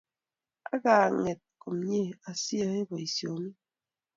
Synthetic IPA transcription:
a˦ɣaː˨ŋe˨t̚ko˨mɲe˦˨a˨sjə˦e˦bɔ˨i˨sjo˨mi˦

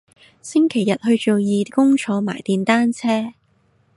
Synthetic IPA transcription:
sɪ˥ŋkʰe˨˩jɐ˨t̚hɵ˧ɥt͡ʃo˨wjiː˨˧kʊ˥ŋt͡ʃʰɔː˨˧ma̰ː˨˩jt̪iː˨nt̪aː˥nt͡sʰɛː˥

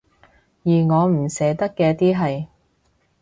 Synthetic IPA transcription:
jiː˨˩ŋɔː˨˧m̩˨˩sɛː˨˥t̪ɐ˥kːɛː˧t̪iː˥ɦɐ˨j

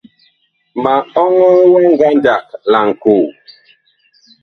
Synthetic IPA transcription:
ma˨ɔ˦ŋɔ˦wɔ˦ŋ˦ɡa˦nd͡ʒa˨k̚la˨ŋ̩˨ku˨

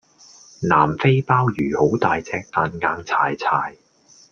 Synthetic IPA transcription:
na̰ː˨˩mfe˥jpaː˥wjyː˨˩ho˨˥wt̪aː˨jt͡sɛː˧k̚t̪aː˨nŋaː˧ŋt͡sʰaː˨˩jt͡sʰaː˨˩j

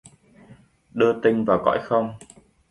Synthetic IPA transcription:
ɗɨ˧ət̪ï˧ŋ̟vaː˨˩wkɔ̰˧˥jxə˧wŋ͡m

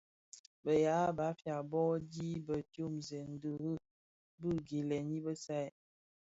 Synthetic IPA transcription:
bə˨ja˨˦ba˨˦fja˨bɔ˦di˦bə˨tjo˦mzɛ˨n̩˦də˨ɣə˦˨ | bɨ˦˨ɡe˨lɛ˨ni˦bə˦sa˦˨j

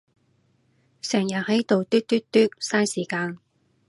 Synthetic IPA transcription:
sœː˨˩ŋjɐ˨˩hɐ˨˥jt̪o˨wt̪yː˥t̚t̪yː˥t̚t̪yː˥k̚saː˥nsiː˨˩kaː˧n

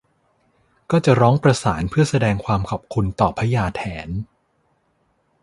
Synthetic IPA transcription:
kɔː˥˩t͡ɕa˨˩ɾɔː˦˥ŋpɾa˧saː˩˦npʰɯ˥˩ɐsa˧dɛː˧ŋkʰwaː˧mkʰɔ˨˩p̚kʰu˧nt̪ɔː˨˩pʰːa˦jaː˧t̪ʰɛː˩˦n

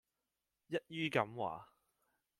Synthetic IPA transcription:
jɐ˥t̚jyː˥kɐ˨˥mwa̰ː˨

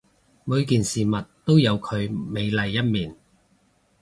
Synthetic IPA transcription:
mu˨˧jkiː˨nsiː˨˩mɐ˨tt̪o˥wjɐ˨˧wkʰɵ˨˧ɥme˨˧jlɐ˨jːɐ˥t̚miː˨˩n

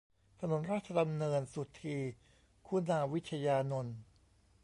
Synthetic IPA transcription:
t̪ʰa˧no˩˦nɾaː˥˩t̪̚t͡ɕʰːa˧da˧mnɤː˧nsu˨˩t̪ʰːiː˧ | kʰu˥˩naː˧wi˦˥t̪t͡ɕʰːa˧jaː˧no˧n

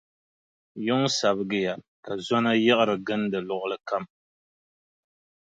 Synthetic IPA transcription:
jʊ˦ŋsa˨bɨ˦˨ɡɨ˦ja˨ | ka˨zɔ˦na˦jɛ˦ʔɨ˦ɾɨ˨ɡɨ˦n˦dɨ˨lʊ˦˨ʔʊ˦lɨ˦ka˦m

